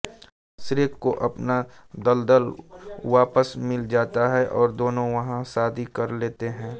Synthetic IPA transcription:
sɪɾeːkːoʔɐpnad̪ɐld̪əlʋaːpəsmɪld͡ʒaːt̪aɦɛʔɔːɾd̪oːnõʋɐɦãsaːd̪ʱikɐɾleːt̪eɦɛ̃ː

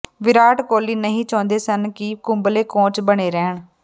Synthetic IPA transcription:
ʋɪɾaːʈkoːliːnəɦĩːt͡ʃɔ̃ːnd̪eːsənkɪkʊmbleːkõːt͡ʃbəɽ̃eːɾɛːɳ

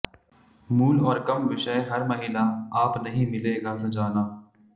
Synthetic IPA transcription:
muːlɔːɾkɐmʋɪʃəeɦɐɾmɐɦɪlaaːpnɐɦĩmɪleːɡasɐd͡ʒaːnaː

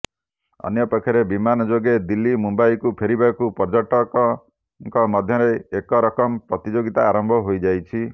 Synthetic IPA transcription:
ɔ̰njɔpɔkʰːɔɾebimanɔd͡ʒoɡed̪ilːimumbajkupʰeɾibakupɔɾd͡ʒɔʈɔkɔ | ŋkɔmɔd̪ʱjɔɾeekɔɾɔkɔmpɾɔt̪id͡ʒoɡit̪aːɾɔmbʱɔɦojd͡ʒajt͡ʃʰi

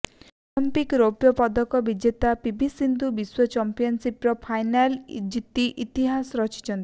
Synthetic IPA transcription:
ɔlimpikɾopjɔpɔd̪ɔkɔbid͡ʒet̪apibʱisind̪ubiswɔt͡ʃɔmpijɔnsipɾɔpʰajnald͡ʒit̪iʔit̪iɦasɔɾɔt͡ʃʰi̥t͡ʃʰɔnt̪i

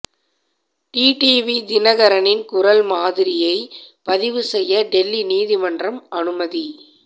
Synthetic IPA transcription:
ʈiːʈiːʋid̪ɪnɐɣɐɾɐnɪnkʊɾɐlmaːðɪɾɪjɐɪpɐðɪʋɯsɛjːɐɖɛlːiniːðɪmɐndrɐmɐnɯmɐði

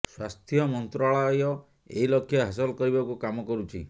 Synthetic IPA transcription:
swast̪ʰjɔmɔnt̪ɾaɭɔjɔ | ḛɦilɔkʰːjɔɦasɔlɔkɔɾibakukamɔkɔɾut͡ʃʰḭ

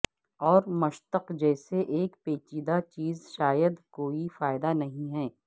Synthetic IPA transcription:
ɔːɾmɐʃt̪əqd͡ʒɛːseʔeːkpeːt͡ʃiːd̪at͡ʃiːzʃaːjəd̪koːifaːɪd̪anɐɦĩɦɛː

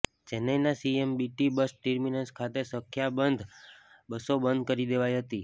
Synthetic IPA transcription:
d͡ʒenenasiembiʈibəsʈəɾminənskʰat̪esə̃kʰjabənd̪ʱ | bəsobənd̪̚ʱkəɾid̪eʋajɦət̪i

